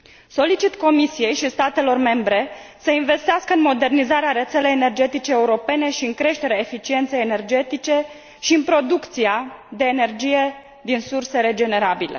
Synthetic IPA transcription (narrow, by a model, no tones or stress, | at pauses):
so̞lit͡ʃit̪ko̞misije̞jʃist̪at̪e̞lo̞rme̞mbɾe̞səinve̞st̪easkəɨnmo̞d̪e̞rnizaɾeaɾe̞t̪selejene̞rd͡ʒe̞t̪it͡ʃeːuɾo̞pe̞ne̞ʃiɨŋkɾe̞ʃt̪e̞ɾeaefit͡ʃie̞nt̪se̞jene̞rd͡ʒe̞t̪it͡ʃe̞ | ʃiɨnpɾo̞d̪ukt̪siad̪e̞ːne̞rd͡ʒije̞ | d̪insurse̞ɾe̞d͡ʒe̞ne̞ɾabile̞̰